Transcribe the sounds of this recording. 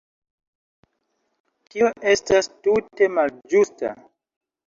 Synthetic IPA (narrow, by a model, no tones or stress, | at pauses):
tioʔe̞stastute̞mald͡ʒusta̰